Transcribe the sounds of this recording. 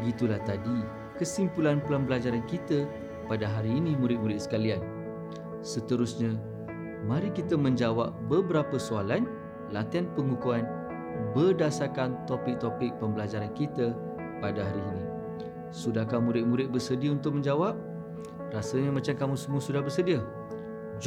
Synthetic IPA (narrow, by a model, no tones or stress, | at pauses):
bəɡit̪ulaht̪adi | kəsimpulanpəlambəlad͡ʒaɾankit̪ə | padaɦaɾiːnĩmuɾɪt̪̚muɾɪt̪̚sə̥kalian | sət̪əɾʊsɲã | mãɾikit̪əmə̃ɲd͡ʒawap̚bəbəɾapəsualan | lat̪ianpəŋukuan | bərdasarkant̪opɪk̚t̪opɪk̚pəmbəlad͡ʒaɾankit̪ə | padaɦaɾiːni | sudahkamũɾɪt̪̚muɾɪt̪̚bərsədiəunt̪ʊk̚mə̃ɲd͡ʒawap̚ | rasəɲamat͡ʃamkamũsəmuəsudahbərsədiə